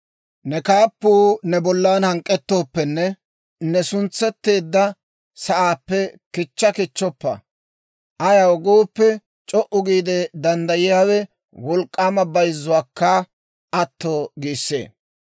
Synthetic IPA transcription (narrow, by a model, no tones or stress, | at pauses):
nɛkaːpːuːnɛbɔlːaːnhɐŋkʼːɛt̪ːo̞ːpːɛnːɛ | nɛsʊnt͡sːɛt̪ːe̞ːd̪ːɐ | sɐʔaːpːɛkɪt͡ʃːɐkɪt͡ʃːɔpːɐ̰ | ʔɐjawɔɡoːpːɛ | t͡ʃʼɔʔʊɡiːd̪ɛd̪ɐnd̪ɐjɪjaːwɛ | wɔlkʼːaːmɐbɐjzːʊwaːkːɐ | ʔɐt̪ːoːɡiːsːḛː